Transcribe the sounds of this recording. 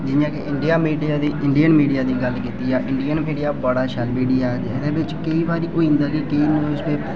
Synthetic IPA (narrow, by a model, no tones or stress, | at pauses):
d͡ʒɪjãːkeʔɪɳɖijaːmiːɖijaːd̪iːʔɪɳɖijənmiːɖijaːd̪iːɡəlkiːt̪iːɛːʔɪɳɖijənmiːɖijaːbəɽaːʃɛlmiːɖijaːd͡ʒɪd̪eːbɪt͡ʃkəiːbaːɾiːʔoːĩːnd̪aːɡiːkəiːnoːspeː